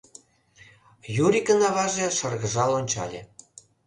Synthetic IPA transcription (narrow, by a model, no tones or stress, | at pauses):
juɾikənɑβɑʒeʃərɣə̆ʒɑlonʲt͡ɕɑ̰lʲḛ